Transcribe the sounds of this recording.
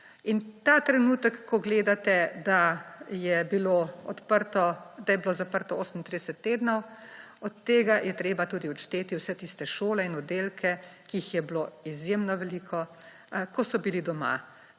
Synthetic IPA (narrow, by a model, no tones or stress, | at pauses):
int̪at̪ɾɛnuːt̪əkːɔɡleːd̪at̪ɛd̪ajɛbiloɔt̪pəɾt̪ɔd̪ajɛbilozapəɾt̪ɔoːsəmint̪ɾid̪ɛsɛt̪ːeːd̪nɔw | ɔt̪ːeːɡajɛt̪ɾeːbat̪uːd̪iɔt͡ʃt̪eːt̪iwsɛt̪iːst̪ɛʃoːlɛinɔd̪elkʰɛkiixjɛbloizjemnɔʋɛliːkʰɔ | kɔsɔbilid̪ɔma̰